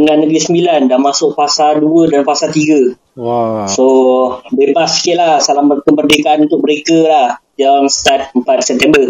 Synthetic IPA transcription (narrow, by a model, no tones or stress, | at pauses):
əŋãnːəɡɾisəmbilandamasʊk̚fasalduədanpasat̪iɡə | sobebasi̥kɪlahsalaməkəbərdekaʔanunt̪ʊk̚məɾekəlahd͡ʒaŋsə̥t̪at̪̚əmpat̪̚sɛp̚t̪ɛmbər